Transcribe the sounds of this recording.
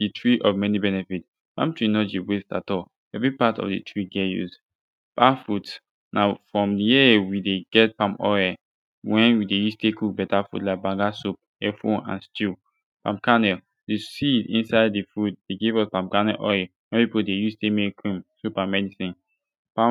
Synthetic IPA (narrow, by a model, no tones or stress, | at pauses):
d̥itʰɹiʔɔvmɛnibɛnɛfit | pã̰mtɹinɔd͡ʒiwesta̰tɔl | ɛvɹipatɔ̰vdɨ̰tʰɹiɡɛtjṵsd | pãmfut | nafɹɔ̃mdijiwideɡɛt̚pãmpɔ̰ɛ | wɛ̃nwidejustʰekuk̚bɛtafṵdlaɪk̚bãŋɡasup̚ | ɛfõnã̰nstu | pãmpkanɛ | disidḭ̃nsaɪdifut̚d̥eɡevɔspãm̚kanɛʔɔwɛ̃npipodejustemekʰɹĩmsupãmɛdisĩn | pã